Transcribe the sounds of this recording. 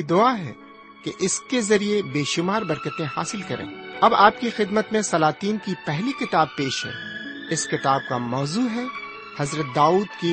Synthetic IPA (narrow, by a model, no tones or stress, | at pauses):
id̪ʊaːɦɛ̰ː | keʔɪskezɐɾiebeːʃʊmaːɾbɐɾkət̪ẽha̰ːsɪlkɐɾʔḛ̃ːɐbaːpkixɪd̪mət̪mẽsɐlaːt̪iːnkipɛɦlikɪt̪aːb̚peːʃɦɛ̰ːɪskɪt̪aːb̚kamɔːzuːɦɛ | hɐzɾət̪̚d̪aːuːd̪ki